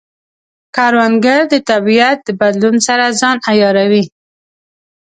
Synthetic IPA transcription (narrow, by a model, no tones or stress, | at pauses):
kɑɾwanɡaɾd̪ət̪abijat̪̚d̪əbad̪lunsaɾazɑnajɑɾawi